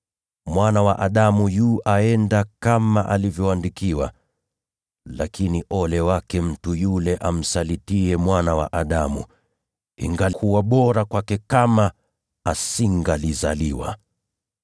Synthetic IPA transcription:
mwanawaʔaɗamujuːʔaɛndakamaʔalivjɔandikiwa̰ | lakiniʔɔlɛwakɛm̩tujulɛʔam̩salitiɛmwanawa̰ʔaɗamṵ | ḭŋɡakʰuwaɓɔɾakwakɛkama | asiŋɡalizaliwa̰

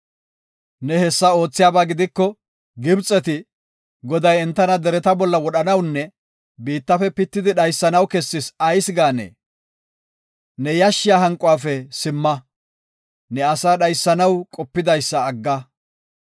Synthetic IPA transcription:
nɛhɛsːɐo̞ːt͡sːɪjaːbaːɡɪd̪ɪkːɔ | ɡɪbt͡sʼːɛt̪ɪ | ɡɔd̪ɐjɛnt̪ːɐnɐd̪ɛɾɛt̪ɐbɔlːɐwɔɗɐnɐwnːɛ | biːt̪ːɐfɛpɪt̪ːɪd̪ɪɗɐjsːɐnɐwkɛsːɪsɐjsɡaːnḛː | nɛjɐʃːɪjaːɦɐŋkʼʊwaːfɛsɪmːɐ | nɛɐsaːɗɐjsːɐnɐwkʼɔpːɪd̪ɐjsːɐːɡːɐ

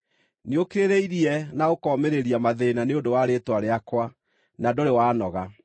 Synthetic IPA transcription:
niokeɾeɾeiɾiɛnaɣokɔmeɾeɾiamaðenaneondowaɾeːtwaɾeakwa | nadoɾewaːnɔɣa

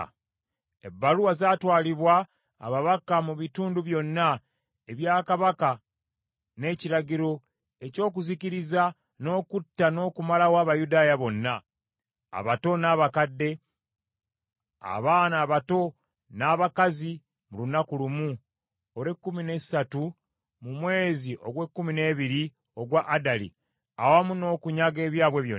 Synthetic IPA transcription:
ḛbːaɾuwazaːtwaːliβwa̰ː | βaβakamuβituːnduβjo̞nːa | eβjaːkaβaka | ne̞ːciɾaɟiɾo̞ | e̞co̞ːk̬uziciɾiza | no̞ːkutːano̞ːkumalawaːβajudaːjaβo̞nːa | a̰βato̞naːβakadːe̞ | a̰βaːnaːβato̞ | naːβakazi | mulunakulumu | oɾekːumine̞̥satu | mumwe̞ːziʔo̞ɡwekːumine̞ːβiɾi | o̞ɡwaʔːdalḭ | awamuno̞ːkuɲaɡe̞ːβjaːβwe̞βjoː

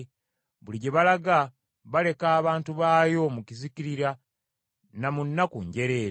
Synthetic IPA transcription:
βuliɟe̞βalaɡa | βale̞kaːβaːntuβaːjo̞muciziciɾiɾa | namunːakṵɲɟe̞ɾe̞ːɾ

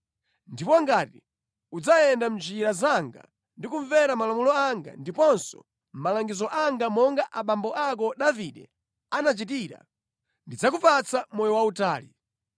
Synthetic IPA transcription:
ndipɔŋɡaːti | ud͡zajɛndamd͡ʒiɾazaŋɡa̰ | ndikuɱvɛɾamalamulɔaŋɡa̰ndipɔnsɔ̰ | m̩malaŋɡizɔʔaŋɡamɔŋɡaʔaɓambɔʔak̬ɔɗaviɗɛ̰ | anat͡ʃit̬iɾa̰ | ndid͡zak̬upat͡sʰamɔjɔwautaːli

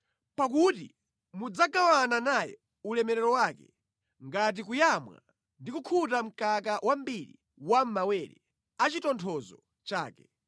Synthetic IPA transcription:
pakutḭ | mud͡zaɡawananajɛ̰ | ulɛmɛɾɛɾɔwaːkɛ̰ | ŋɡat̬ikujamwa̰ | ndikukʰutam̩kakawʔambiɾḭ | wam̩mawɛːɾɛ̰ | at͡ʃitɔntʰɔzɔ | t͡ʃaːkɛ

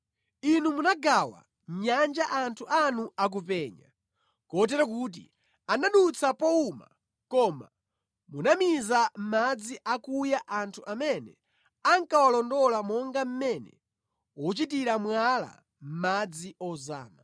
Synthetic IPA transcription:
inumunaɡawa̰ | ɲand͡ʒaʔantʰuʔanuak̬upɛɲa̰ | kɔt̬ɛɾɔk̬uːt̬ḭ | anaɗut͡sʰapɔuma̰ | kɔma̰ | munamizam̩mad͡ziʔakujaʔantʰuʔamɛnɛ̰ | aŋkawalɔndɔlamɔŋɡam̩mɛnɛ̰ | wɔt͡ʃit̬iɾamwala̰ | m̩mad͡ziɔza̰ːna

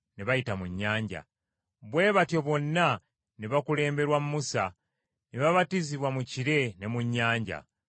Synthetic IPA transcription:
neβajitamuɲːaːɲɟa̰ | βwe̞ːβatjo̞βwo̞nːa | neβakule̞ːmbe̞ɾwamumusa | neβaβatiziβwamuciɾe̞ne̞muɲːaːɲɟa̰

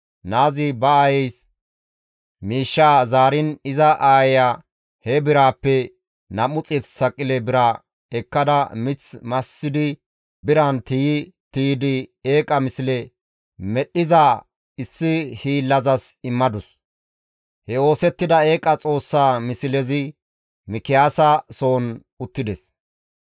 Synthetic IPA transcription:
naːzɪbɐaːjɛjs | miːʃːaːzaːɾɪnɪzɐʔaːjɛjaː | hɛbɪɾaːpːɛ | nɐmʊt͡sʼɪt̪sɐkʼːɪlɛbɪɾɐ | ɛkːɐd̪ɐmɪt͡smɐsːɪd̪ɪ | bɪɾɐnt̪ɪjɪt̪iːd̪ɪeːkʼɐmɪsɪlɛ | mɛɗːɪza | ɪsːɪhiːlːɐzɐsɪmːɐd̪ʊs | hɛo̞ːsɛt̪ːɪd̪ɐe̞ːkʼɐt͡sʼo̞ːsːaːmɪsɪlɛzɪ | mɪkɪjaːsɐso̞ːn | ʊt̪ːɪd̪ɛs

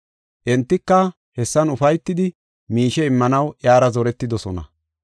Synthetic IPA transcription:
ʔɛnt̪ːɪkːɐ | hɛsːɐnʊfɐjt̪ːɪd̪ɪ | miːʃɛɪmːɐnɐwʔjaːɾɐzɔɾɛt̪ːɪd̪ɔsɔnɐ̰

